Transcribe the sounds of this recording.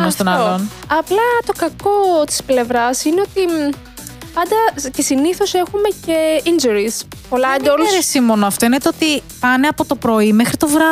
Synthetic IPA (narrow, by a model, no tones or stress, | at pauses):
mest̪onɐlon | ɐplɐt̪o̞kɐko̞t̪i̥sple̞vɾɐsineo̞t̪i | pɐnd̪ɐcesiniθo̞se̞xume̞ce̞ind͡ʒuɾispo̞lɐnd̪oluɾesimo̞noɐft̪o̞inet̪eot̪ipɐne̞ɐpot̪o̞pɾo̞imexɾit̪o̞vɾɐ